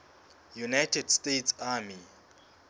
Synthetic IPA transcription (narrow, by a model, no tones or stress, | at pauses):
junajtʰɛdstetʰsami